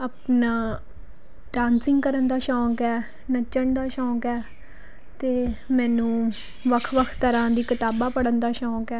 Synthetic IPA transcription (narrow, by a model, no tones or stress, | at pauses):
aːpnaː | ɖãːnsɪ̃ŋɡkəɾənd̪aːʃɔ̃ːkɛː | nət͡ʃəɳd̪aːʃɔ̃ːkɛː | t̪eːmɛ̃ːnũː | ʋəkʰʋəkʰt̪əɾãːd̪iːkɪt̪aːbaːpəɽənd̪aːʃɔ̃ːkɛː